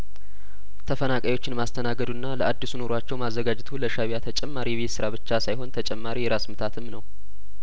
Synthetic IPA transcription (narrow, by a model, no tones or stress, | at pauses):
t̪ʰəfənakʼajwo̞t͡ʃːɪnmast̪ʰənaɡəd̪unːaləʔad̪ːisuno̞ɾoat͡ʃːɛwmazːəɡad͡ʒɪt̪ʰuləʃaβjat̪ʰət͡ʃʼɛmːaɾiβet̪sɨɾaβɨt͡ʃːasajɦo̞nt̪ʰət͡ʃʼɛmːaɾijɛɾasmɨt̪ʰat̪ʰɨmnəw